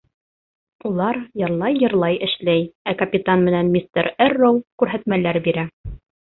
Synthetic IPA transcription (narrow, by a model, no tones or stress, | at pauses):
ulˠɑɾjɤ̆ɾlˠɑjːɤ̆ɾlˠɑjɘ̆ʃlæjækɐpʲit̪anmɘ̆nænmʲist̪eɾɘrːowkʉɾɦæt̪mælæɾbiɾæ